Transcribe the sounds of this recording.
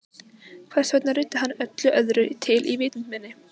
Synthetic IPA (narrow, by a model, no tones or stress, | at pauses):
kʰvɛrsvœt̪narɪːt̪ːɪɦanːœt̪lʏʔœðɾʏt̪ʰɪlʔivɪːt̪ʏnmɛnːɪ